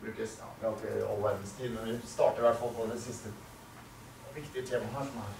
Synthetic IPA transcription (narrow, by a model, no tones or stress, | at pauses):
bɾʉːkə̰ɑlt̪əɑ̰lʋæɾd̪n̩st̪ʰiːd̪mɛnʋɪst̪ɑ̰ːʈəɾʋæʈfɑlˠpɔd̪ɛsɪst̪ə | ʋɪkt̪ɪət̪ʰeːmɑɦæːʂɔmɾ